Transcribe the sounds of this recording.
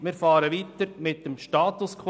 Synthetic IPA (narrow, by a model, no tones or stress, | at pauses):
mɪɾfɑːɾəʋiːt̪əɾmɪt̚d̥əmʃtɑːt̪ʊskʰ